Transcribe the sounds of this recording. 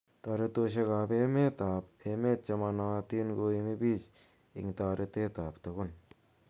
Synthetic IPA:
ta˨ɾe˦to˧ʃ̬e˧ka˨pe˦me˦t̪a˨p̚eme˦t̚t͡ʃe˧ma˧na˨t̪i˦nɡo˧i˧mi˦bi˦t͡ʃ | ḭ˨ŋta˨ɾʔe˧t̪e˦ta˨ptɐ˨ku˦n

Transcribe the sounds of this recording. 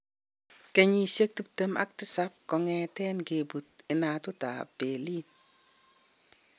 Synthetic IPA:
ke˨ɲi˨ʃe˦k̚tu˦p̚te˦ma̰˦k̚tɪ˦sa˦p̚kɔ˨ŋɛ˨tɛ˦nke˨bu˨t̚ɪ˨na˨tʊ˦ta̰˨be˨li˦n

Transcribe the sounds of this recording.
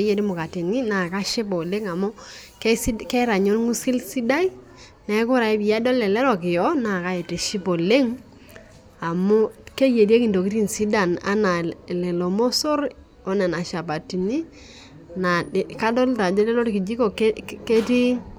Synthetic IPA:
e˦je˦ɾi˦mʊ˨ka˨ti˨ni˦na˨ka˦ʃi˦pɔ˨le˦ŋa˨mo˦ksi˦kɛ˦ɾa˨ɲo˦lŋu˦si˦lsi˦da˦i˦ | nɛ˨˦kʊ˦ɾa˨i˦bi˨a˦dɔ˦lɛ˨lɛ˦ɾɔ˨kɪ˨jɔ˦na˨ka˦e˨te˨ʃi˦po˨le˦ŋ | a˨mo˦ke˦je˨di˦e˦ki˨ndo˨ki˦ɾi˦n˨si˦da˨na̰˦na˨lɛ˨lo˨mo˦so˦ɾ | ɔ˦na˨na˨ʃa˨pa˨ti˨ni˦ | na˨ka˦dɔ˦lta˨d͡ʒɔ˦tɛ˦lo˦ɾki˨d͡ʒi˦ko˨kke˦ti˦

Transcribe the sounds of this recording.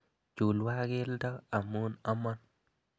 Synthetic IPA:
t͡ʃu˨lwa˦ɡɪ˦ldɔ˦a˨mu˦nɔ˦mɔ˦n

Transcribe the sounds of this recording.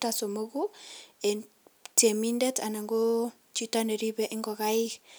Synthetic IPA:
taso˨moɡu˦e˨ | te˨mindɛ˦ta˨na˨ŋɡo | t͡ʃi˦tane˨ɾibɛʔɪ˦ŋɡɔɣa˦i˦k

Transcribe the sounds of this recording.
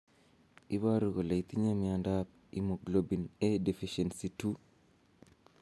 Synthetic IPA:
i˦βa˦ɾu˨ɣo˨la˨i˨t̪i˦ɲa˦mi˨andap̚ | ḭmo˨ɡlo˦bi˨ne˦de˨fiʃɛ˨nsi˨tu˦

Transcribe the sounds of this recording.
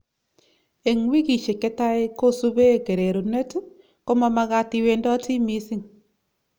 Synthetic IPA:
e˨ŋwi˦ki˨ʃe˨kɛ˦ta˦ɪ˦ko˦su˦βe˦˨ke˨ɾe˨ɾu˨ne˦t | ko˦ma˦ma˨ɣa˨ti˨we˨ndɔ˦ti˦mi˦si˦ŋ

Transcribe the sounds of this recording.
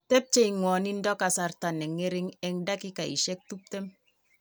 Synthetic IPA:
tɛ˦p̚t͡ʃɛ˦i˨ŋwɔ˨ni˦ndɔ˦ka˨sa˨rta˨nɛ˨ŋe˦ɾɪ˦ŋɛ˦ŋda˦ki˦ka˨ḭ˨ʃɛ˦k̚tu˦p̚tɛ˦m

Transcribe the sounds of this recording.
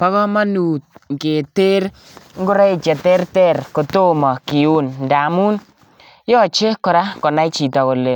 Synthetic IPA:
pa˦kɔ˦ma˦nu˨t̪̚ŋke˨te˦ɾ | ŋɡo˦ɾa˦i˨t͡ʃɛ˨tɛ˦ɾtɛ˦˨ɾko˨to˦mɔ˨ki˨u˦nnda˨˦mu˦n | jɔ˦t͡ʃe˦kɔ˨ɾa˦kɔ˨na˦t͡ʃi˨tɔ˨ko˨le˨

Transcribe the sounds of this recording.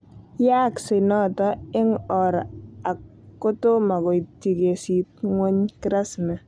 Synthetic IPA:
ja˦ksɪ˨nɔ˦tɔ˦ɪ˦ŋɔ˨ɾa˨kː | o˦to˦ma˨ko˨jti˨ke˨si˨t̚ŋwo˦ɲkɪ˦ɾa˦sna˨

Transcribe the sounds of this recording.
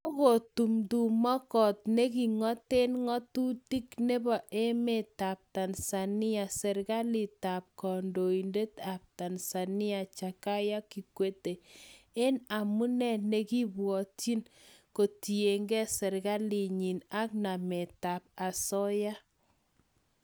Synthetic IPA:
o˦ko˨tu˨mdu˨mɔ˦kɔ˨t̚ne˦ki˨ŋɔ˦te˦nŋɔ˦tu˦ti˦kne˦bɔ˨ʔe˦me˦˨ta˨p̚ta˨nsa˨nɪ˦a˨sɛ˨ɾɡa˦li˨ta˨p̚kɔ˨ndo˨i˨nde˦ta˨p̚ta˨nsa˨nɪ˦a˨t͡ʃa˨ka˦ja˦ki˨kwe˦te˨ | e˦na˨mu˦nɛ˨ne˦ki˦bwɔ˨ti˦nko˨ti˨e˨ŋɡɛ˦sɛ˨ɾɡa˦li˨ɲi˨na˦k̚na˨me˨ta˨p̚a˨sɔ˦ja˦

